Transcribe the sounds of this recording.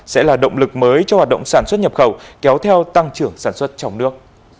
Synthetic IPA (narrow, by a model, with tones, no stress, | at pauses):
sɛ̰˧˥laː˨˩ɗə̰˧˨wŋ͡mlɨ˨˩k̚məː˨˦jt͡ɕɔ˧haː˨˩ɗə̰˧˨wŋ͡msaː˧˩nswə˦˥t̚ɲə˨˩p̚xə˧˩wkɛ˨˦wt̪ʰɛ˧wt̪a˧ŋt͡ɕɨ˧˩əŋsaː˧˩nswə˦˥t̚t͡ɕɔ˧wŋ͡mnɨ˦˥ək̚